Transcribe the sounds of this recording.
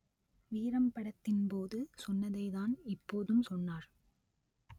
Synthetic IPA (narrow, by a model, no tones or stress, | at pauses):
ʋiːɾɐmpɐɽɐt̪ːɪnpoːðɯsɔnːɐðɐɪðaːnɪpːoːðɯmsɔnːaːɾ